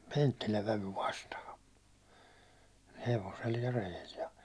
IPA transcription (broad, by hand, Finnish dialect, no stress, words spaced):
pentːilæʋ ʋæʋy ʋɑstɑhɑ heʋosel jɑ rejel jɑ